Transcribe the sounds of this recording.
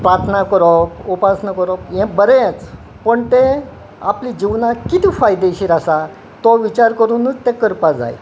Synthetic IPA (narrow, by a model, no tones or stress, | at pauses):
pɾaɾt̪ʰənakəɾɔpupasnəkəɾɔpjɛ̃bəɾet͡s | pəɳt̪e | aplid͡ʑiʋnakit̪ifajd̪eɕiːɾasa | t̪ɔʋit͡ɕaɾkəɾuːnət͡st̪ekəɾpad͡za̰j